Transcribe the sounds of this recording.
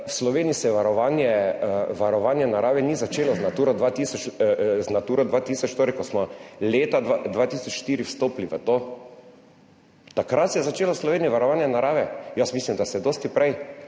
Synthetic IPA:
wslɔʋeːniisɛjɛʋaɾɔʋaːnjɛʋaɾɔʋaːnjɛnaɾaːʋɛnizat͡ʃeːlɔznat̪uːɾɔd̪ʋaːt̪isɔt͡ʃznat̪uːɾɔd̪ʋaːt̪iːsɔt͡ʃʃt̪oɾɛkɔsmɔleːt̪aad̪ʋat̪iːsɔt͡ʃʃt̪iːɾiwst̪oːpliʋət̪oː | t̪akɾat̪sɛjɛzat͡ʃeːlɔwslɔʋeːniʋaɾɔʋaːnjɛnaɾaːʋɛjasmislimd̪asɛd̪oːst̪ipɾɛj

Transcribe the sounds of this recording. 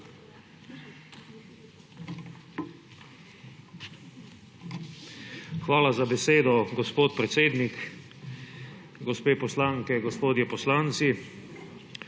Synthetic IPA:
xʋaːlazabɛseːd̪ɔɡɔspoːt̪pɾɛt̪seːd̪nik | ɡɔspeːpɔslaŋkɛɡɔspoːd̪jɛpɔslant̪si

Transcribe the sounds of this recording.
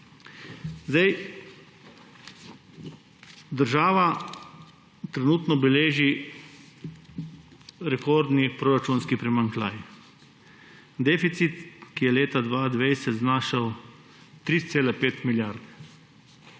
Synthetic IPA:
zd̪aj | d̪əɾʒaːʋa | t̪ɾɛnuːt̪nɔbɛleːʒi | ɾɛkoɾd̪nipɾoːɾat͡ʃuːnskipɾɛmaŋkla̰ːj | d̪eːfit̪sit̪kijɛleːt̪ad̪ʋaːd̪ʋejsɛt̪znaːʃaw | t̪ɾit̪seːlɛpeːt̪miljaɾd̪ɛ

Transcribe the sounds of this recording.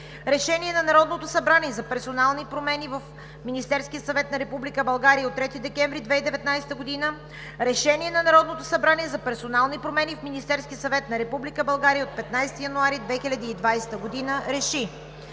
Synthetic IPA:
ɾɛʃɛniɛnɐnɐɾɔd̪not̪osɐbɾaniɛzɐpɛɾsonalˠnipɾomɛnivəf | minist̪ɛɾskʲiət̪sɐvɛt̪nɐɾɛpublikəbɐlˠɡaɾiəot̪ːɾɛt̪id̪ɛkʲɛ̃ɱvɾid̪vɛid̪ɛvɛt̪najsɛ̥t̪əɡod̪inə | ɾɛʃɛniɛnɐnɐɾɔd̪not̪osɐbɾaniɛzɐpɛɾsonalˠnipɾomɛnʲifminist̪ɛɾsk̟ʲiəsɐvɛt̪nɐɾɛpublikəbɐlˠɡaɾijəot̪̚pɛt̪najst̪ijɐnuaɾid̪vɛxilʲɐd̪iːd̪vajsɛ̥t̪əɡod̪inəɾɛʃi

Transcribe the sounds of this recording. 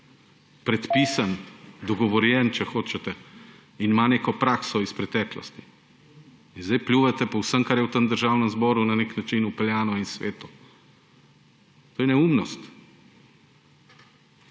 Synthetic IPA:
pɾɛt̪piːsand̪ɔɡɔʋɔɾjɛnt͡ʃɛxoːt͡ʃɛt̪ɛ | inmaneːkɔpɾaːksɔispɾɛt̪ɛːklɔ̰st̪i̥ | inzd̪ɛjplʲjuʋɛt̪ɛpɔwsəmkaɾjɛwt̪əmd̪əɾʒawnəmzbɔːɾunaneknat͡ʃinupɛljaːnɔinsʋeːt̪u | t̪oːjɛnɛumnɔst̪

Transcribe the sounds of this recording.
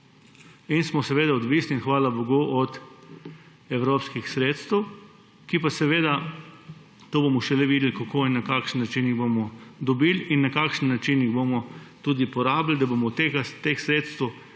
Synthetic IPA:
insmɔsɛʋeːd̪aɔd̪ʋisniinxʋaːlaboɡoʔɔt̪ | ɛwɾoːpskixsɾeːt̪st̪ɛw | kipasɛʋeːd̪a | t̪oːbomɔʃɛlɛʋid̪ɛlkakoːinːakaːkʃənːat͡ʃinjiɣbomɔd̪ɔbilinːakaːkʃənːat͡ʃinjiɣbomɔt̪uːd̪ipɔɾaːbld̪aboːmɔt̪eɡat̪exsɾeːt̪st̪w

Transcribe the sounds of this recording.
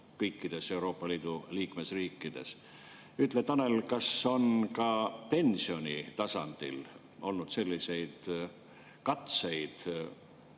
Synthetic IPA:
kɤjkːid̪̥e̞se̞uɾo̞ːpːˑɑliːd̪̥uliːkme̞sriːkːˑid̪̥e̞̰s | yt̪ˑlet̪ɑne̞lkɑso̞nkɑpe̞nʲsio̞nʲit̪ɑsɑ̰nd̪̥ḭl | o̞lnud̪̥se̞lʲːise̞jd̪̥ | kɑt̪se̞jd̪̥

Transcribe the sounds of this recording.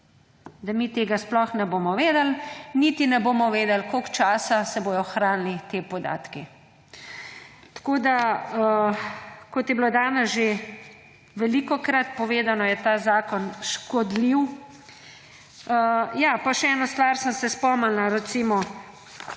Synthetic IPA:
d̪amit̪eːɡasplɔxnɛboːmɔʋeːd̪əlnit̪inɛboːmɔʋeːd̪ɛlkokt͡ʃaːsasɛboːj̪ɔxɾaːnlit̪eːpɔd̪a̰ːt̪ki | t̪ḁkoːd̪a | kɔt̪jɛblod̪aːnɛsʒe | ʋɛliːkɔkɾat̪pɔʋeːd̪anɔjɛt̪aːzaːkɔnʃkɔd̪liw | əjaːpaʃɛɛːnast̪ʋaːɾsənsɛspɔmalnaɾɛt̪simɔ

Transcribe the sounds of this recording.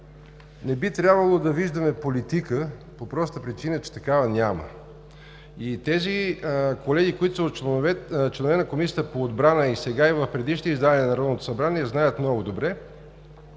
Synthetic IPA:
nɛbit̪ɾʲjabvəlˠod̪ɐviʒd̪ɐmɛpolit̪ikə | popɾɔst̪əpɾit͡ʃinət͡ʃɛ̥t̪ɐkavənʲamə̰ | it̪ɛzikolɛɡʲikoit̪ʊso | t͡ʃlɛnovɛnəkomisʲiət̪əpoːd̪bɾanəisɛɡaivəfpɾɛd̪iʃnizd̪anʲiɛnɐɾɔd̪not̪o̥sɐbɾaniɛznajət̪mnɔɡʊd̪obɾɛ

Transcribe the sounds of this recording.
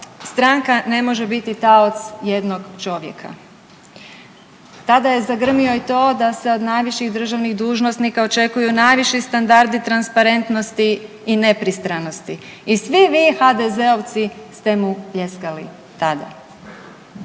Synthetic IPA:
st̪ɾaŋkane̞mo̞ʒe̞bit̪it̪aot̪sje̞d̪noɡt͡ʃo̞ʋjḛkʰa̰ | t̪ad̪aje̞zaɡr̩mio̞it̪o̞ːd̪ase̞o̞d̪najʋiʃiɣd̪r̩ʒaʋniɣd̪uːʒno̞snikao̞t͡ʃe̞kujunajʋiʃist̪and̪aɾd̪it̪ɾanspaɾe̞nt̪no̞st̪iː | ne̞pɾist̪ɾano̞st̪iisʋiʋiːxad̪eze̞oʋt̪sist̪e̞mupje̞skalḭ | t̪ad̪a̰

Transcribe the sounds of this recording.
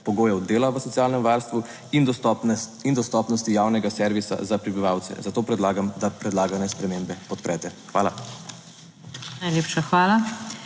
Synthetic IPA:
pɔɡoːjɛwd̪eːlaʋəsɔt̪jaːlnɛmʋaɾst̪ʋu | ind̪ | ind̪ɔst̪ɔːpnɔst̪ijaːwnɛɡasɛɾʋisa̰zapɾibiʋaːwt̪sɛ̰zat̪oːpɾɛd̪laːɡamd̪apɾɛd̪laːɡanɛspɾɛmeːmbɛpɔt̪pɾʔɛt̪ɛxʋaːla̰ | najleːpʃaxʋaːla

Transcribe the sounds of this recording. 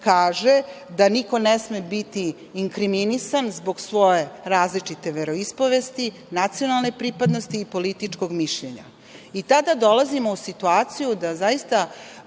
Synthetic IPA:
kaːʒed̪aniko̞nesmebit̪iː | ŋkɾiminisanzbo̞ɡsʋo̞je̞ɾaːzlit͡ʂit̪e̞ʋeɾo̞ispo̞ʋest̪i | nat̪sijo̞nalˠnepɾipad̪no̞st̪iːpo̞lit̪it͡ʂkoɡmiʃʎeɲa̰ | it̪ad̪ad̪o̞lazimo̞usit̪uaːt̪sijud̪azaist̪a

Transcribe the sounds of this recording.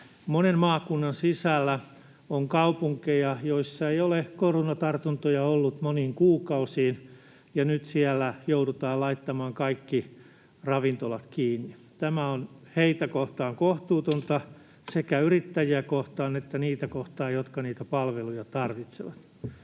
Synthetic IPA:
monemmɑːkunːɑnsisælːæ | oŋkɑupuŋkejɑjoisːɑeijolekoronɑt̪ɑrt̪unt̪ojɑolːut̪moniːŋkuːkɑusiːn | jɑnyt̪siælːæjoudut̪ɑːllɑit̪ːɑmɑːŋkɑikːi | rɑʋint̪olɑt̪kiːnːi | t̪æmæonheit̪ækoht̪ɑːŋkoht̪uːt̪ont̪ɑ | sekæyrit̪ːæjiækoht̪ɑːnet̪ːæniːt̪ækoht̪ɑːjot̪kɑniːt̪æpɑlʋelujɑt̪ɑrʋit̪seʋɑt̪

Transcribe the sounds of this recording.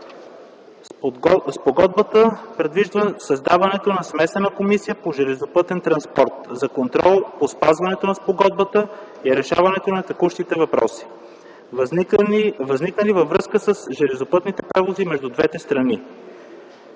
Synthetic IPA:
spoɡɔd̪̚bət̪əpɾɛd̪viʒd̪vəsɐzd̪avɐnɛt̪onɐsmɛsɛnəkomisijəpoʒɛlɛzopɤt̪ɛnt̪ɾɐnspɔɾt̪zɐkont̪ɾɔlˠpospazvɐnɛt̪onɐspoɡɔd̪̚bət̪ə | iɾɛʃavɐnɛt̪onɐt̪ɐkuʃt̪it̪ɛvɐpɾɔ̰si̥ | vɐzniknəlivɐvːɾɤskəsəsʒɛlɛzopɤt̪nit̪ɛpɾɛvozimɛʒd̪ud̪vɛt̪ɛst̪ɾɐni

